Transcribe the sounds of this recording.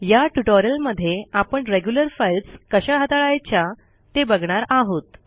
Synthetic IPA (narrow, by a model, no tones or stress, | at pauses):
jaʈuʈoɾjəlməd̪ʱːjeapəɳɾeɡjuləɾfajlskəɕaɦət̪aɭajt͡ɕja | t̪ebəɡɳ̃aɾaɦot̪